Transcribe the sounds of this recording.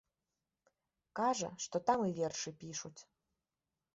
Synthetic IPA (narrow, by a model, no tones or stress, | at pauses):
kɑʒə̰ʂt̪ot̪ɑmɨvʲerʃɨpʲiʃutʲ